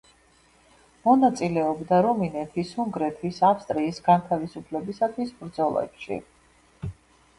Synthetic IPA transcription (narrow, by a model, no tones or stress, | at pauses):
mɔnat̪sʼilɛɔbd̪aɾɔminɛt̪ʰisuŋɡɾɛt̪ʰwisafst̪ʼɾiːsɡant̪ʰavisupʰlɛbisat̪ʰwisbɾd̪zɔlˠɛ̰pʃḭ